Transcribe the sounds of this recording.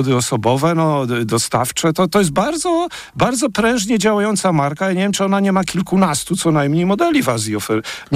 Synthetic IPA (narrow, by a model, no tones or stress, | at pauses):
d̪ɘɔsɔbɔvɛnɔd̪ɔst̪aft͡ʂɛt̪ɔt̪ɔjɛs̬t̪̚baɾd̪zɔ | baɾd̪zɔpɾɛ̃w̃ʐɲɛd͡ʑawajɔnt̪samaɾkajaɲevʲjɛmt͡ʂɨɔnaɲɛmakʲilkunast̪ut̪sɔnajmɲejmɔd̪ɛlʲivaziɔfɛɲ